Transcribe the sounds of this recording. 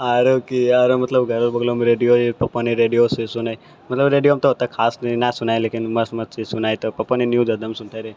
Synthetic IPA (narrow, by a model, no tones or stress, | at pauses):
aɾokiaɾomət̪ləbɡʱəɾəlbəɡlomɾeɖijoepɐpːəniɾeɖijosesunaj | mət̪ləbɾeɖijoamt̪oɦət̪akʰasninasunajlekinməsmətt͡ʃʰisunajt̪opəpːəninjud͡ʒəd̪əmsunt̪ʰaɾe